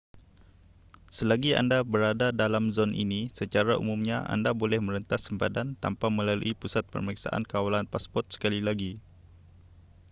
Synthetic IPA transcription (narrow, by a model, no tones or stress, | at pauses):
səlaɡia̰ndabəɾadadalamzɔnʔḭnisət͡ʃaɾaṵmumɲaʔa̰ndabolɛhmə̃ɾənt̪asəmpadant̪ampamə̃lalṵʔipusat̪̚pə̰rməɾiksa̰ʔa̰nkawalanpaspɔrt̪̚sə̥kalilaɡi